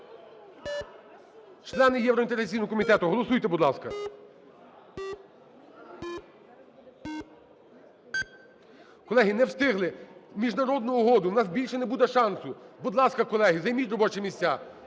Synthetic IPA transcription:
t͡ʃlˠɛnɪjɛwɾɔint̪eɦɾɐt̪ʲt͡sʲijnʊɦɔk̬ɔmʲit̪ɛt̪ʊɦɔlˠɔsujt̪ɛbʊd̪lˠɑskɐ | kɔlˠɛɦʲinɛwst̪ɪɦlˠɪmʲiʒnɐɾɔd̪nʊːɦɔd̪ʊwnɑsbʲilʲʃɛnebud̪ɛʃɑnsʊbʊd̪lˠɑskɐkɔlˠɛɦizɐjmʲit̪ʲrɔbɔt͡ʃɛmʲisʲt͡sʲːa

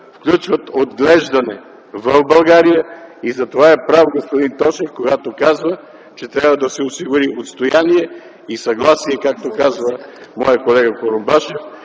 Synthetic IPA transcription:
fklʲut͡ʃvət̪od̪ɡlɛʒd̪ɐnɛ | vəvbɐlˠɡaɾijəizɐt̪ovaɛpɾavoɡospod̪int̪ɔʃɛfkoɡat̪okazvə | t͡ʃɛt̪ɾʲjabvəd̪ɐsɛosiɡʊɾiʔot̪st̪ojaniɛ | isɐɡlˠasiɛkak̚t̪okazvəmɔjəkolɛɡəkoɾombaʃɛf

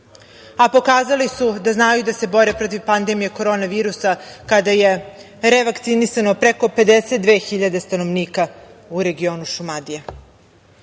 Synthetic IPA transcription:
apo̞kaːzalisud̪aznajud̪ase̞bo̞ɾepɾo̞t̪̬iʋpand̪e̞mijeko̞ɾo̞ːnaʋiːɾusakad̪aje̞ | ɾeʋakt̪sinisano̞pɾeko̞pe̞d̪eset̪̚d̪ʋe̞ːxiʎad̪e̞st̪ano̞ʋniːkauɾe̞ɡio̞ːnuʃumad̪ia

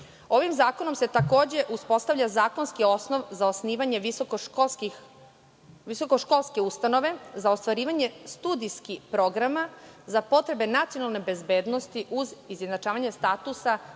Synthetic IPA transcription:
o̞ʋimzaːko̞no̞mse̞t̪ako̞ːd͡ʑe̞ʔuspo̞st̪avʎʲazaːko̞nskio̞sno̞ʋzaosniːʋaɲe̞ʋisoo | ʋiso̞koʃko̞lˠske̞ust̪ano̞ʋe̞zaost̪ʋaɾiːʋaɲe̞st̪ud̪iskipɾo̞ɡɾamazapo̞t̪ɾe̞be̞nat̪sio̞nalˠne̞be̞zbe̞ːd̪no̞st̪iʔuzizjed̪nat͡ʃaːʋaɲe̞st̪at̪usa

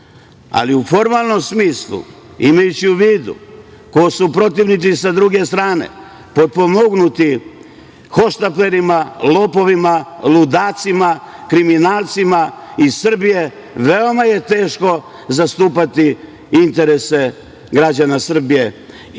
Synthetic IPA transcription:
a̰liufo̞ɾmalˠno̞msmiːslṵ | imajut͡ɕiuʋiːd̪ṵ | kosupɾo̞t̪̬iʋnit̪isad̪ɾuɡe̞st̪ɾaːne̞̰ | po̞d̪̚po̞mo̞ɡnut̪i | xo̞ʃt̪ape̞ɾimalopo̞ʋimalud̪aːt̪simakɾiminaːlˠt̪simaisr̩bije̞ | ʋeo̞maje̞t̪e̞ːʃko̞ | zast̪uːpat̪i | int̪e̞ɾe̞se̞ | ɡɾad͡ʑanasr̩bije̞

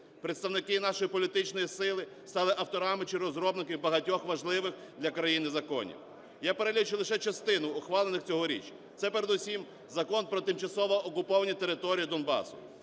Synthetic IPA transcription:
pɾet̪st̪ɐwnɪkɪnɑʃɔjipɔlʲit̪ɪt͡ʃnɔjisɪlˠɪ | st̪ɑlˠɪʔɐwt̪ɔɾɑmɪt͡ʃɪɾɔzɾɔbnɪkɪwbɐɦɐtʲɔxʋɐʒlˠɪʋɪx | d̪ʲlʲɐkɾɐjinɪzɐkɔ̰nʲḭw | japeɾelʲit͡ʃɪlˠeʃɛt͡ʃɐst̪ɪnʊːxʋɑlˠenɪxt͡sʲɔɦɔɾʲḭt͡ʃ | t̪sɛpeɾed̪usʲim | zɐkɔnpɾɔt̪ɪmt͡ʃɐsɔʋɔːkʊpɔʋɐnʲit̪e̞ɾɪt̪ɔɾʲijid̪ɔnbɑ̰sʊ̰

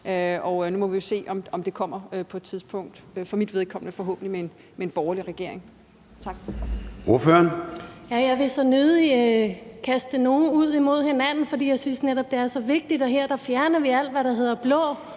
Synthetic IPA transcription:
øɒ̽numɒ̽ʋijo̝se̝̰ːɒ̽mɒ̽md̥e̝kʰɒ̽m̰ɐøpʰɒ̽ed̥t͡sʰiðˠsb̥ʰɔ̽ŋ̰d̥øfɒ̽mid̥ʋe̝ðˠkʰɒ̽mnəfɒ̽ɦɔ̰̽ːb̥n̩limeen | meenb̥ɒːɐliʁɛɡ̥e̝ɐ̰e̝ŋ | t͡sʰɑ̈ɡ̥̚ʔoɐføɐnjæjɑ̈ɪʋe̝sɒ̽nøðˠi | kʰæsd̥əno̝ːn̩uð̞̰ˠimo̝ð̰ˠhe̝næn̰n̩fɒd̥ḭjɑ̈ɪsynsneɾ̥ɒ̽b̥̚d̥e̝æɐsɒ̽ʋe̝ɡ̥̚d̥id̥ɒ̽ɦeɐ̰d̥ɑ̈fjæɐnɐʋiæl̰d̥ʋæɾɑ̈ɦe̝ð̞̰ˠɐb̥lɔ̰ː

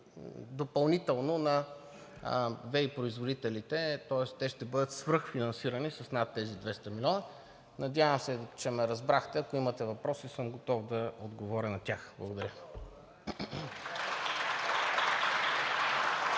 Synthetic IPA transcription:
d̪opɐlˠnit̪ɛlˠnonɐ | vɛipɾoizvod̪it̪ɛlit̪ɛt̪ɔɛst̪ɛʃt̪ɛbɤd̪ət̪svɤɾxfinɐnsiɾɐnisɐsnat̪ːɛzid̪vɛst̪ɐmilʲɔnə | nɐd̪javəmsɛt͡ʃɛmɛɾɐzbɾaxt̪ɛɐkoimɐt̪ɛvɐpɾɔsisɤmɡot̪ɔvd̪ɐod̪ɡovɔɾʲɐnɐt̪ʲaxblˠɐɡod̪ɐɾʲə

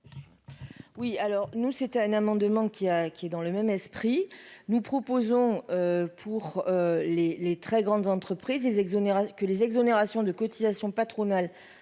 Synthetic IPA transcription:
wialɔʁnusɛt̪ɛ̃namɑ̃d̪mɑ̃kʲiakʲiɛd̪ɑ̃ləmɛmɛspχinupχɔpozɔ̃øpʰuʁølelet̪χɛɡʁɑ̃d̪zɑ̃t̪χəpχizlezɛɡzoneʁakəlezɛɡzɔneʁasjɔ̃d̪əkɔt̪izasjɔ̃pat̪χɔnal

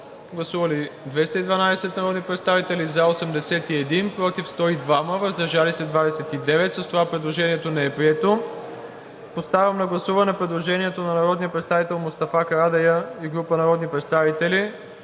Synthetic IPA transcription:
ɡlˠɐsuvəlid̪vɛst̪əid̪vɐnad̪ɛsɛt̪nɐɾɔd̪nipɾɛt̪st̪avit̪ɛlizaosɛmd̪ɛsɛt̪iɛd̪inpɾɔt̪ifst̪ɔid̪vaməvəzd̪ɐɾʒalisɛd̪vad̪ɛsɛt̪id̪ɛvɛt̪sɐst̪ovapɾɛd̪lˠoʒɛniɛt̪onɛɛpɾiɛt̪o | post̪avʲɐmnɐɡlˠɐsuvɐnɛpɾɛd̪lˠoʒɛniɛt̪onɐnɐɾɔd̪nijəpɾɛt̪st̪avit̪ɛlˠmʊst̪ɐfakɐɾad̪ɛjəiɡɾupənɐɾɔd̪nipɾɛt̪st̪avit̪ɛli

